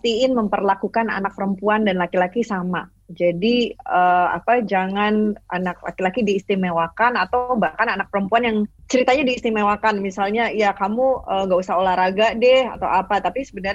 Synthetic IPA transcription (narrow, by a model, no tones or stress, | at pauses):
t̪iɪnməmpərlakukana̰nak̚pəɾəmpuandanlakilakisama | d͡ʒadiəa̰pad͡ʒaŋana̰nak̚la̰kilakidiːst̪imewakanat̪awbahkananak̚pəɾəmpuanjaŋt͡ʃəɾit̪aɲadiːst̪imewakanmisalɲaijakamuəŋɡausahɦolahɾaɡaʔdɛha̰t̪awapat̪apisəbənər